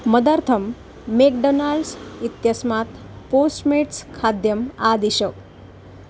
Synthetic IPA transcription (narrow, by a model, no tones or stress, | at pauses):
məd̪aɾt̪ʰəmː | ekɖonalɖsit̪jəsmat̪ | posʈmeʈskʰad̪jəmad̪iɕək